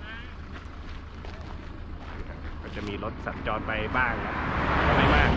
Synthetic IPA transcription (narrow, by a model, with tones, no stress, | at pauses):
a˥˩kʰa˧˩kɔː˥˩t͡ɕa˨˩ʔmiː˧lo˦˥t̪̚sa˨˩˦nt͡ɕɔː˧npa˧jbaː˥˩ŋla˦˧˩ɔ˥˩maː˧maː˥˩